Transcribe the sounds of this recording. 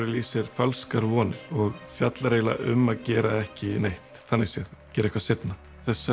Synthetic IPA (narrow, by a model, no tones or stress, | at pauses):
ɾɪliːsɪɾ̥falskaɾvɔːnɪɾ̥ɔɣfjat̪laɾeːjla̰ʔʏ̰mːaðcɛːɾaɛhcɪnejht̪θanːɪɣsjɛðcɛːɾɛhkvaset̪na | θɛsːa